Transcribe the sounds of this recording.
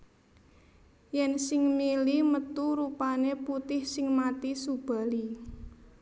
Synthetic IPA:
jɛnsɪŋmilimət̪uɾupaneput̪ɪhsɪŋmat̪isub̥ä̤li

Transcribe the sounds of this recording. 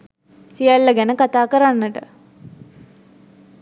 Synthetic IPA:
sijalːəɡænəkat̪aːkəɾanːəʈə̰

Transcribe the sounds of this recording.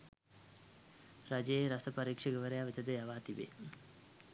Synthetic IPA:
ɾɐd͡ʒeeɾɐsɐpɐɾiːkʂɐɡɐʋɐɾejaːʋit̪ɐd̪ɐjɐʋaːt̪ibḛː

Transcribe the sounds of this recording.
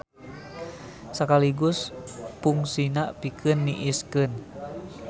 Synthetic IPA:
sakaliɡuspuŋsinaʔpikʰɨnːiʔiskɨn

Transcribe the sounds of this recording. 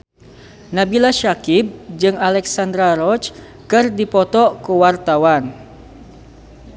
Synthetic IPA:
nabilaʃakɪp̚d͡ʒɨŋalɛksand̪ɾaɾɔt͡ʃ | kɨrdipɔt̪ɔʔkuwart̪awan

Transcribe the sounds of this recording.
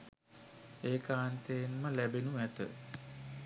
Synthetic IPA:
eːkaːnt̪ejːnməlæbenuʋæt̪ə̰

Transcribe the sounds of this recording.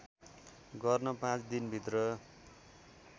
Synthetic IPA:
ɡʌrnʌpãt͡sd̪inbʱit̪rʌ

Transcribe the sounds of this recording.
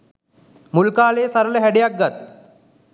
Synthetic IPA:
mulkaːlejːsaɾələɦæɖejak̚ɡat̪̚

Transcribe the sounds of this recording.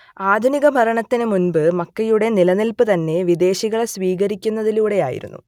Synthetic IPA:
aːd̪ʱuniɣɐbʱɐɾɐɳɐt̪ːinɨmunbɨmɐkːɐjuɽe̞nilɐnilpɨt̪ɐnːe̞ʋid̪e̞ːɕiɣɐɭsʋiːɣɐɾikʲːunːɐðiluːɽe̞jaːjḭɾṵnːṵ

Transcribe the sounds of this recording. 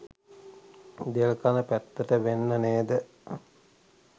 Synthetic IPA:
d̪eəlkanəpæt̪ːəʈəʋenːəneːd̪ə

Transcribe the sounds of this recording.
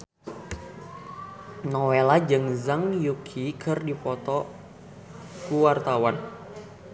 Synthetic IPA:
nɔwelad͡ʒɨŋzaŋjukʰikʰɨrdipɔt̪ɔ | kuwart̪awan

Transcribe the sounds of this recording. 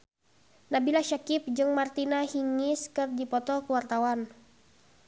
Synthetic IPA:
nabilaʃakip̚d͡ʒɨŋmart̪inahiŋiskɨrdipɔt̪ɔkəwart̪awan

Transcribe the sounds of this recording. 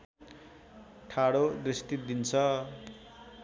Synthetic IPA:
ʈʰaɽod̪rist̪it̪̚d̪int͡sʰʌ

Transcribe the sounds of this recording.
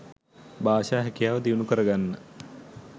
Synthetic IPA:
baːʃaːɦɛkijaːʋəd̪iunukəɾəɡanːə

